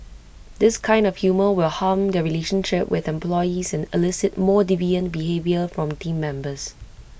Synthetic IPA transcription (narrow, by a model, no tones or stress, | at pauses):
dɪskʰãɪ̃ndɔfhjuməwɪlhãmdəɹileʃə̃nʃɪp̚wʔɪθɛ̃mplɔjizɛ̃nɪlɪsɪt̚mɔːdiviə̃nbiɦevjəfɹɔ̃mtĩmːɛ̃mbəs